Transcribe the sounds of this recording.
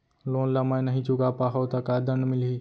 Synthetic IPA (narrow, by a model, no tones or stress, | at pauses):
loːnlamãj̃nəɦĩt͡ʃʊkapaːɦot̪akad̪ənmɪlɦi